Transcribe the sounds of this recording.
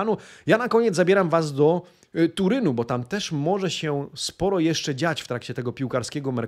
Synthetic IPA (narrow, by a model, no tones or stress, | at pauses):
nujanakɔɲɛd̪zabʲjɛɾamvazd̪ɔ | t̪uɾɘnubɔt̪amt̪ɛʂmɔʐɛɕɛspɔɾɔjɛʂt͡ʂɛd͡ʑat͡ɕft̪ɾakt͡ɕɛt̪ɛɡɔpʲiwkaɾskʲɛɡɔmɛɾ